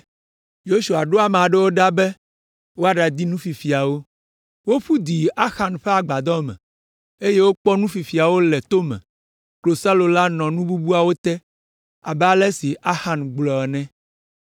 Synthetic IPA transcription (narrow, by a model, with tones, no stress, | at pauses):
jo˦su˨a˨ɖo˦a˨mɛ˨a˨ɖɛ˦wo˦ɖa˦bɛ˦ | wo˦a˦ɖa˨d̪i˦nũ˦fi˨fi˨a˨wo˦ | wo˦ɸu˦d̪i˨a˦xa˨nɸɛ˦a˨ɡ͡ba˨d̪ɔ˦mɛ̰̃˨ | e˦je˦wo˦k͡pɔ˦nũ˦fi˨fi˨a˨wo˦lɛ˨t̪o˦mɛ̰̃˨ | klo˨sa˦lo˨la˦nɔ̃˨nũ˦bu˦bu˦a˨wo˦t̪ɛ˦ | a̰˨bɛ˦a˦lɛ˦si˨ʔa˦xa˨nɡ͡blɔ˨ɛ˨nɛ̃˦